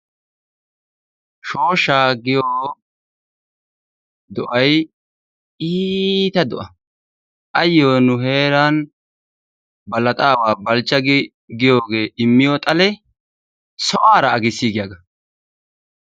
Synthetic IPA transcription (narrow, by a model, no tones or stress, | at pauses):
ʃo̞ːʃaːɡɪjoː | d̪ɔʔɐj | iːt̪ɐd̪ɔʔɐ | ʔɐjːoːnʊɦe̞ːɾaːn | bɐlɐt̪ʼaːwaːbɐlt͡ʃːɐɡɪ | ɡɪjoːɡe̞ːʔɪmːɪjoːt̪ʼɐlɛ | sɔʔaːɾɐːɡɪsːiːɡɪjaːɡɐ